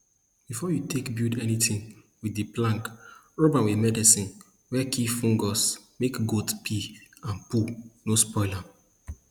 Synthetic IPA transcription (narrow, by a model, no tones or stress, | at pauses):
b̥ifɔjutʰekbjudɛnitʰĩŋ | widːiplãŋk | ɹobãnwimɛdisĩn | wɛkʰifũŋɡɔsmekɡotpʰiãnpunospɔɪlãm